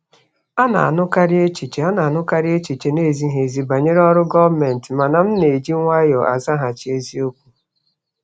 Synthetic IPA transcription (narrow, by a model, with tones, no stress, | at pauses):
a˦na̰˨a̰˨nʊ˦ka˦ɾɪ˦e˦t͡ʃi˨t͡ʃe˨a˦na˨a˨nʊ˦ka˦ɾɪ˦e˦t͡ʃi˨t͡ʃe˨ne˦˨zi˦ɦe˨zi˨ba˨ɲe˦ɾe˦ɔ˦ɾʊ˦ɡɔ˦vme˨n̩˨tɪ˨ma˨na˨m̩˦ne˨d͡ʒi˦ŋʷa˦jɔ˨ʔa̰˨za˦ɦa˨t͡ʃi˨˦e˦zi˦o˦kʷu˦